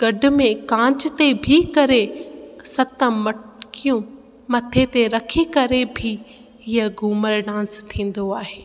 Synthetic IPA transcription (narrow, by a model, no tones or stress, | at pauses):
ɡ̥ɐɖʱʊ̆mẽkãːt͡ɕɪt̪ebʱikɐɾesɐt̪əmɐkijũ | mɐt̪ʰet̪eɾɐkʰikɐɾebʱɪ | ɦɪɦəɡuːməɾɖãːst̪ʰĩːn̆d̪oaːɦeː